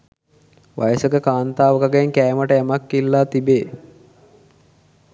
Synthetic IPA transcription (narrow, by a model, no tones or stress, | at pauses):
ʋʔa̰jəsəkəkaːnt̪aːʋəkaɡəŋkæːməʈəæmakːilːaːt̪ibeː